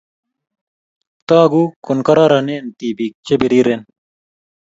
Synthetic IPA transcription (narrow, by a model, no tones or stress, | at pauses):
t̪aːɡuːkunkɐɾaːɾɐneːnt̪iːbiːk̚t͡ɕebiɾiːɾen